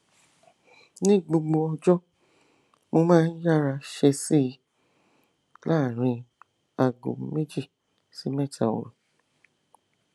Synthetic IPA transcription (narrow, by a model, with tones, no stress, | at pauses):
nĩ˦ɡ͡bo˧ɡ͡bo˧ɔ˧d͡ʒɔ˦ | mo˧mãː˦˧˦n̩˦ja˦˨ɾa˧ʃe˧si˦˨˧ | la˦˨ɾ̃ĩ˧ | a˨ɡo̰˨m˦me˦d͡ʒi˦˨ | si˨˦mɛ˦tʰa̰˨o̰˨ɾu˨